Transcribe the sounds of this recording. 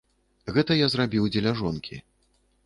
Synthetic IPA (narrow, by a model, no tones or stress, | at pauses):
ɣɛt̪ɐjazrabʲiwd͡zʲɛlʲaʐɔnkʲʰḭ